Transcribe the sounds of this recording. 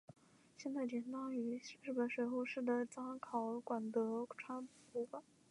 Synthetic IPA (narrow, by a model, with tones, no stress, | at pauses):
ɕjɛ˥˧nt͡sa˥˩ɪt̪jɛ˨˩nt̪ɑ˥ŋy˧˥ɻ̩˥˩pə˨˩nʂwe˧˥ɪxo˥˧ʊʂɻ̩˥˩d̪ə˩t͡sɑ˥ŋkʰɑ˨˧˩ʊkwa˨˩nt̪ɤ˧˥ʈ͡ʂʰwa˥npu˧˥kwa˨˩˦n